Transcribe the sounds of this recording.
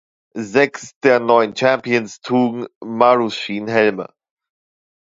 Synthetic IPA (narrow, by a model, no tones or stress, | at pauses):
zɛksd̥eːɐnɔʏənt͡ʃɛmpiənstʰuːɡŋ̩maʁusʃiːnɦɛlmə̰